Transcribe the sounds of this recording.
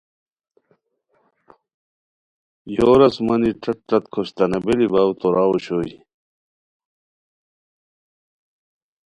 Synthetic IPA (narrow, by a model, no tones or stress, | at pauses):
joːɾɐsmɐniʈ͡ʂɐʈːɐt̪kʰoɕt̪ɐnebelibaːwt̪oɾaːwoɕoːi